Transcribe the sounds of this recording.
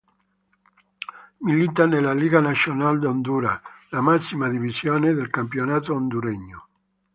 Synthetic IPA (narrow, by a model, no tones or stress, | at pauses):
milit̪anelaliːɡanasjonald̪ond̪uːɾalamasːimad̪ivisjoːned̪elkampjonaːt̪oond̪uɾeɲːo